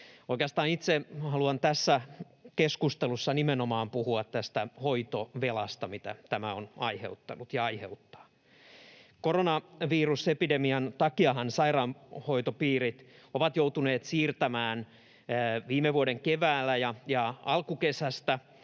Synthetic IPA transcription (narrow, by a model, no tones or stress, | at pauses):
oikeɑst̪ɑːnit̪sehɑluɑnt̪æsːæ | keskust̪elusːɑnimenomɑːmpuhuɑt̪t̪æst̪æhoit̪oʋelɑst̪ɑmit̪æ̰t̪æmæonɑihḛut̪ːɑ̰nut̪jɑɑiheut̪ːɑ̥ː | koronɑʋiːrusepidemiɑnt̪ɑkiɑhɑnsɑirɑːnhoit̪opiːrit̪oʋɑt̪jout̪uneːt̪siːrt̪æmæːnː | ʋiːmːeʋuoɾeŋkeʋæːlːæjɑjɑɑlkukesæst̪æ